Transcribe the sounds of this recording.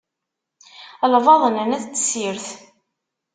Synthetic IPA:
lvɑðˤənənæðt͡sːsiɾθ

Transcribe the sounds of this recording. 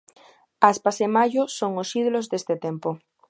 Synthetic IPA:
aspasemaʝosoŋosiðulozðest̪et̪empo

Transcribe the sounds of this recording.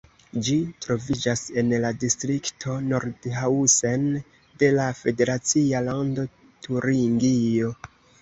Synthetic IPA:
d͡ʒitɾo̞vid͡ʒase̞nladistɾiktʰo̞no̞ɾdhausen | de̞lafe̞de̞ɾat͡sialando̞ | tʰuɾiŋɡio̞

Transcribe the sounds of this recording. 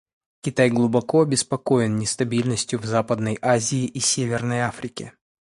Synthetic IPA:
kʲɪt̪ajɡlˠʊbɐkoɐbʲɪspɐkoɪnnʲɪst̪ɐbʲilʲnəsʲtʲjʊvzapəd̪̚nəjʔazʲɪːʔisʲevʲɪrnəjafɾʲɪkʲɪ

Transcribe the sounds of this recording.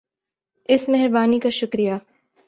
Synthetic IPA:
ɪsmɛɦɛɾbaːnikaʃʊkɾija

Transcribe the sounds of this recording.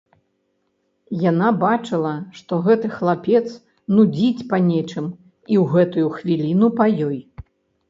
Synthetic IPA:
janabat͡ʂɨlˠɐʂt̪ɔɣɛt̪ɨxlˠapʲɛt̪s | nud͡zʲit͡sʲpɐnʲɛt͡ʂɨm | iwɣɛt̪ujuxvʲilʲinupajɔj

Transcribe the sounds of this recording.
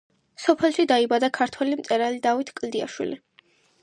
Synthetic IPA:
sɔpʰɛlˠʃid̪aibad̪akʰaɾt̪ʰwɛlimt̪sʼɛɾalid̪avit̪ʰkʼld̪ia̰ʃwḭli

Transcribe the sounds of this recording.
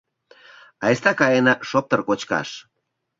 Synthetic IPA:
ɑest̪ɑkɑjenɑʃop̚t̪ərkot͡ɕkɑ̰ʃ

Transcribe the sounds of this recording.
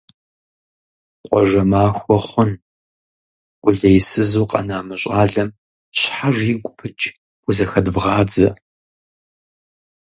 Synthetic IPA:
qʷʼɔʒɐmaːxʷɔχʷʊn | ʔʷʊɮɐjsɨzuːqʼɐ̰naːmɨɕʼaːɮɐm | ɕħaʒʷiːɡʷʼʊpʰɨt͡ʃʼ | χʷʊzɐxɐdvʁɑːd͡zɐ̰

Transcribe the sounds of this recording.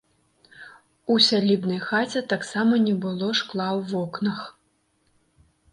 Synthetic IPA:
usʲalʲibnɐjxat͡sʲɛt̪aksamɐnʲɛbɨlˠɔʂklˠawvɔknɐx

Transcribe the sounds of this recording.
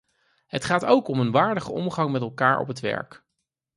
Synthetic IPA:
ɦətχaːtowkɔmənʋaːɹdəχəʔɔmχɑŋmɛtɛlˠkaːɹɔ̰pɦətʋɛ̰ɹk

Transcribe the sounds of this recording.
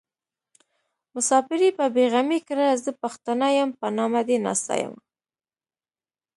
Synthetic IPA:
mʊsɑfɪɾipəbeɣamekɾazəpaxt̪anajampənɑmad̪enɑ̰st̪a̰ja̰m

